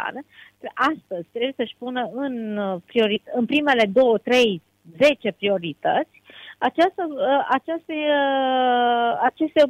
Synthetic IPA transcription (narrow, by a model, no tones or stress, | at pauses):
a̰ɾeʔast̪əzʲt̪ɾebujesəʃʲpunəɨnpɾio̞ɾit̪ɨnpɾime̞le̞d̪o̞wət̪ɾe̞j | ze̞t͡ʃe̞pɾio̞ɾit̪ət̪sʲat͡ʃast̪əʔat͡ʃast̪e | at͡ʃe̞st̪e